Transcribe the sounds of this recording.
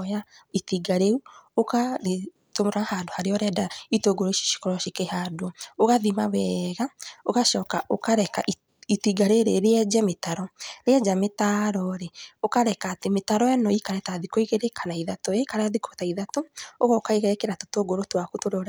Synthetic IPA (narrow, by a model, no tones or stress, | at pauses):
jaitiɡaɾeuokae | tomoɾahadohaɾeɔɾɛdaitoɡoɾoiʃi̥ʃi̥kɔɾɔʃikehadooɣaðimawɛɣaoɣaʃɔkaʔokaɾɛkaʔi | itiɡaɾeɾeɾeɛd͡ʒɛmetaɾɔɾeɛd͡ʒametaɾɔɾeokaɾɛkaːtemetaɾɔɛnɔikaɾɛtaðikoiɣeɾekʰanaiðatoekaɾɛaðikotaiðatooɣɔokaiɣeɾɛkeɾatotoɡoɾotwakutoɾoɾ